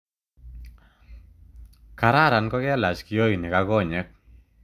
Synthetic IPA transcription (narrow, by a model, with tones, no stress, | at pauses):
ka˨ɾa˦˨ɾa˨nkɔ˦kɛ˦la˨t͡ʃkɪ˦jo˦ji˨nɪ˨ka˦ɡɔ˦˨ɲɛ˦k̚